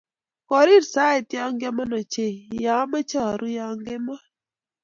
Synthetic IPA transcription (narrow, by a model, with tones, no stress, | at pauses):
kɔ˨ɾi˦ɾsa˨˦ɛ˨tjɔ˦ŋɡɛ˦ma˦nɔ˨t͡ʃe˨ja˨˦ma˦t͡ʃa˦˨ɾu˦ja˨˦ŋɡɪ˦mɔ˦